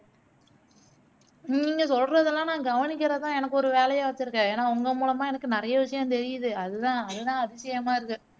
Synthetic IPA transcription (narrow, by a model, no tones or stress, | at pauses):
nniːŋɡɐsɔlrɐðɪlːãːnãːɡɐʋɐnɪk̬ʲːɪɾɐt̪ãːɛnɐkːɯɔɾɯʋeːlɐjaʋɐt͡ʃːɪɾɯkːẽeːnːaːʊŋɡɐmuːlɐmaːɛnɐkːɯnɪɾɐjɐʋɪʂɐjɐ̃mt̪ɛɾɪjɯðɯɐðɯt̪ãːɐðɯt̪ãːɐðɪsɐjɐmaːɪɾɯkːɯ